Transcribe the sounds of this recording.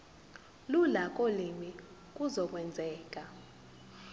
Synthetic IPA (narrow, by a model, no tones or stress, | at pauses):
lulak̬ʼolimi | k̬ʼuzɔk̬ʼwɛnd͡zʱɛːk̬ʼa